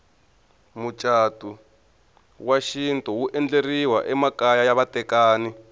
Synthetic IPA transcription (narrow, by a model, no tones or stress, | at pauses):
mut͡ʃʼaːtʼu | waʃintʼɔwuʔɛnd͡ɮeriwa̰ʔɛmakajajaβatʼɛkaːni